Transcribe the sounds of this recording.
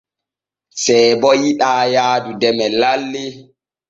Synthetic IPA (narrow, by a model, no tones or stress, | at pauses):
sɛbɔjiɗaːjaːdudɛmɛlalːi